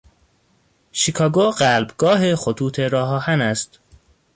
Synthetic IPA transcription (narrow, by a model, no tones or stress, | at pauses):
ʃikʰɒːɡoɢælbɡɒːɦexot̪ʰuːt̪ʰeɾɒːɦɒːhænæst̪